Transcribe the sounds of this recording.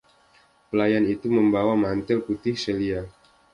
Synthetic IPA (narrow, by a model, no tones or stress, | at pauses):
pəlajanit̪uməmbawamant̪ɪlput̪ɪhselia